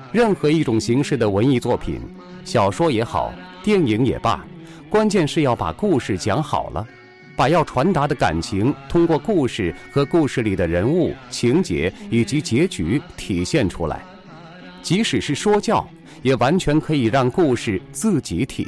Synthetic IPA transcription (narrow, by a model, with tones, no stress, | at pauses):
ɻə˥˩nxɤ˧˥i˥˩ʈ͡ʂʊ˨˩ŋɕi˧˥ŋʂɻ̩˥˩d̪ə˩wə˧˥ni˥˧t͡swɔ˥˩pʰḭ˨˩˦n | ɕjɑ˨˩ʊʂwɔ˥jɛ˧˥xɑ̰˨˩˦ʊt̪jɛ˥˩ni˧˥ŋjɛ̰˨˩pa̰˥˩ | kwa˥nt͡ɕjɛ˥˧nʂɻ̩˥˧jɑ˥˩ʊpa̰˨˩ku˥˧ʂɻ̩˥˩t͡ɕjɑ˧˥ŋxɑ̰˨˩ʊlʔə̰˦ | pa˨˩jɑ˥˩ʊʈ͡ʂʰwa˧˥nt̪a˧˥d̪ə˧ka̰˨˩nt͡ɕʰi˧˥ŋt̪ʰʊ˥ŋkwɔ˥˧ku˥˧ʂɻ̩˥˩xɤ˧˥ku˥˧ʂɻ̩˥˩li˨˩d̪ə˦ɻə˧˥nu˥˩t͡ɕʰi˧˥ŋt͡ɕjɛ̰˧˥i˨˩t͡ɕi˧˥t͡ɕjɛ˧˥t͡ɕy˧˥t̪ʰi˨˩ɕjɛ˥˩nʈ͡ʂʰṵ˥la̰˧˥ɪ | t͡ɕi˧˥ʂɻ̩˨˩ʂɻ̩˥˩ʂwɔ˥t͡ɕjɑ˥˩ʊ | jɛ˨˩wa˧˥nt͡ɕʰɥɛ˧˥nkʰɤ˧˥i˨˩ɻɑ˥˧ŋku˥˧ʂɻ̩˥˩t͡sɹ̩˥˩t͡ɕi˧˥t̪ʰḭ˨˩